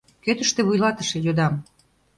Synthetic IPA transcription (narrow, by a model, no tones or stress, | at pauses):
køt̪ə̆ʃt̪ĕβujlɑt̪əʃĕjod̪ɑm